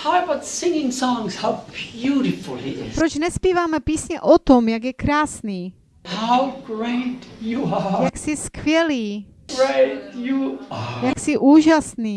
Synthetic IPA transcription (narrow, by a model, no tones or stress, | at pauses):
aɪbʌtsɪ̃ŋɪ̃ŋsɔ̃ŋz̥haʊbjuɾɨfl̩ˠḭɪpɾot͡ʃnɛspiːvaːmɛpiːsɲɛʔot̪omjaɡjɛkɾaːsniː | haʊɡɹeɪtjəəjaksɪskvjɛliː | ɡ̥ɹeɪtjəjaksɪʔuːʒasniː